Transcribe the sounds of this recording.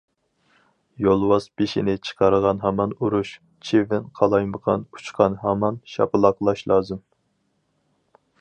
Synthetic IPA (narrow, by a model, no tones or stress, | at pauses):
jolˠwɑzbeʃinɪt͡ʃʰə̥qʰɑɾəʁɑnɦɑmɑnuɾuʃ | t͡ʃʰevɪnqʰɑlˠɑjməʁɑ̰nu̥t͡ʃqʰɑnɦɛmɑnʃɑ̰pɨlˠɑqlˠɑʃlˠɑːzɨm